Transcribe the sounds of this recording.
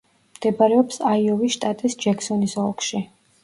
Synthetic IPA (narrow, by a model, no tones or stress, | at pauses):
md̪̥ɛbaɾɛɔpsaiɔviʃt̪ʼat̪ʼisd͡ʒɛkʰsɔnisɔlˠkʰʃi